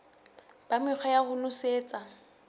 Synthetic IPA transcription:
b̥amɪχʰɔjaɣʊnʊseːt͡sʼa

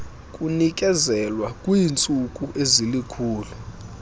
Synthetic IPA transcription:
kʼunik̬ʼɛzɛlwakʼwiːnt͡sʼukʼuʔezilikʰuːlɛ

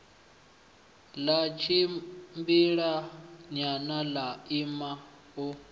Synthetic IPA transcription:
lat͡ʃʰimbiɺaɲanalaima | u

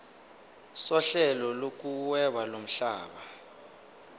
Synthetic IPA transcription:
sɔɬɛlɔlok̬uwɛɓalom̩ɬa̰ːɓa

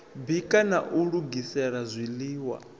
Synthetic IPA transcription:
bikʼanaʔuɺuɡisɛɺazʷiliːwa̰

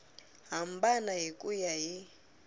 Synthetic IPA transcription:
ɦambanaɦikʼujaɦi

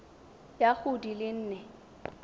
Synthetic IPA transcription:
jak͡xʊdilɪn̩ːnɛ

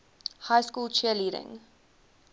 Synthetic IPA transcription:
hajskuːlˠt͡ʃiəliːɾɪ̰̃ŋ

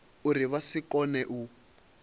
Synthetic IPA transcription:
uɾiβasikɔnɛʔu

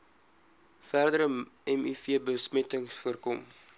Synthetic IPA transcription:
færdəɾəɛmyfiəbəsmɛtəŋsfuərkɔm

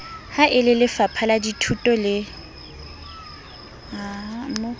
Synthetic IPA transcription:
haʔɪlɪlɪfapʰaladitʰutʼɔlɪ | am̩mo

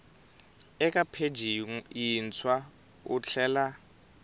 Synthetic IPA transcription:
ɛkʼapʰed͡ʒʱijint͡sʰwa | ṵt͡ɬʰɛːla

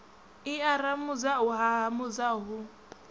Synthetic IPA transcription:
ɪaɾamʊd͡zaʊɦaɦamʊd͡zaɦʊ

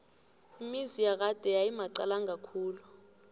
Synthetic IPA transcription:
imizijak̬ad̥ʱʼɛjajimaǀalaŋʱakʰuːlu

